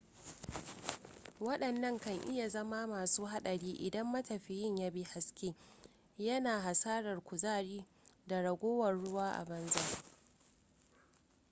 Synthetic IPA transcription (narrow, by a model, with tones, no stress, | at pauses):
wɐ˦ɗɐ˨nːɐ˦ŋkɐ˨ŋʔɪ˦ja˨zɐ˦ma˦maː˨suː˦ɦa˦ɗɐ˨ɽiː˦ʔɪ˨dɐ˦mːɐ˦tɐ˨ɸɪ˨jɪ˦˨ɲjaː˦bi˦ha˨skʲeː˦ | jɐ˦naː˨ɦa˨saː˦ɽɐ˨rkʷʊ˨zaː˦ɽiː˦ | da˨ɽɐ˨ɡʷoː˦wɐ˨rɽʊ˦waː˦ʔa̰˨bɐ˦nza˦